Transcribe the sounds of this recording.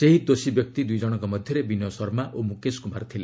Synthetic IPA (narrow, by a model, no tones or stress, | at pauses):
seɦid̪osibjɔk̚t̪id̪ujd͡ʒɔɽ̃ɔ̃ŋkɔmɔd̪ʱjɔɾebinjɔsɔɾmaʔomukeskumaɾt̪ʰile